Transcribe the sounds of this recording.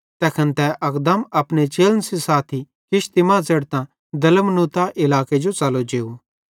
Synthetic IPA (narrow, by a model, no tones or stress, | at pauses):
t̪ɛːkʰənt̪ɛʔɐkd̪əmɐpnet͡ʃeːlnəsisaːt̪ʰi | kɪʃt̪imãːzɐɽt̪ã | d̪ɐləmnuːt̪aʔɪlaːked͡ʒot͡saːlod͡ʒeːu